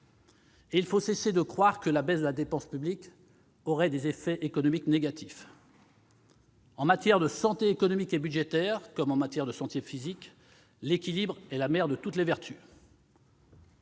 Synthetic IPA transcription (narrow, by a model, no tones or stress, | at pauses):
eilfosesed̪əkχwaʁkəlabɛzd̪əlad̪epɑ̃spyblik | ɔʁɛd̪ezefɛʔekɔnɔmikneɡat̪ʰif | ɑ̃mat̪jɛʁd̪əsɑ̃t̪eːkɔnɔmikebyd̪ʒet̪ɛʁkɔmɑ̃mat̪jɛʁd̪əsɑ̃t̪jefizik | lekʲilibʁɛlamɛʁd̪ət̪ut̪levɛʁt̪y